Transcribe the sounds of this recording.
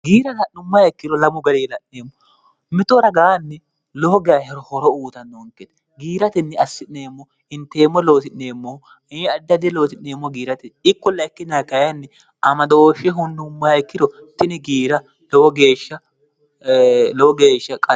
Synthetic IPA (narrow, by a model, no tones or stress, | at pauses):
ɡiːɾɐlɐʔʊmːɐhɐjkːɪɾɔlɐmʊɡɐɾeːlɐʔneːmːɔ | mɪt̪ɔɾɐɡaːnːɛ | loɔɡɛjɐhɛɾɔhɔɾɔuːt̪ɐnːoːŋkɛt̪ | ɡiːɾɐt̪ɪnːɛɐsːɪnneːmːɔ | ɪnt̪eːmːɔloːt̪ɪnneːmːɔ | ɐd̪ːɐd̪ɛloːt̪ɪneːmːɔɡiːɾɐt̪ɛɪkːɔlɐɪkːɪnɐkɐjɐnːɛ | ɐmɐd̪oːʃɛɦʊnd̪ʊmːɐhɐjkːɪdɔ | t̪ɪnɪɡiːɾɐ | lɔwɔɡe̞ːʃːɐ | lɔwɔɡeːʃːɐkʼɐ